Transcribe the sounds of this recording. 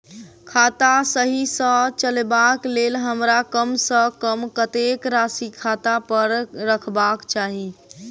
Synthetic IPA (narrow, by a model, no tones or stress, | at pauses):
kʰat̪asəɦisə̃t͡ʃəlbaklelɦəmɾakəmsə̃kəmkət̪ekɾasikʰat̪apəɾːəkʰbakt͡ʃaɦi